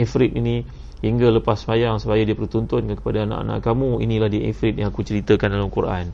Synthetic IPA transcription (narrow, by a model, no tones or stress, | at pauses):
efɾit̪ini | hiŋɡaləpasːəmajaŋsupajadiapərut̪ɔnt̪ʊnkankə̥padaana̰ʔa̰nã̰ʔkamuḭnĩlahdiʔḛfɾɪt̪̚jaŋakut͡ʃəɾit̪əkandalamkuɾa̰n